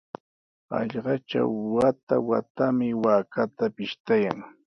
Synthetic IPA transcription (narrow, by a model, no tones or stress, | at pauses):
ɑ̰ʎɢɑt͡ʃa̰wːat̪awa̰t̪amɪwaːkat̪apɪʃt̪aja̰ŋ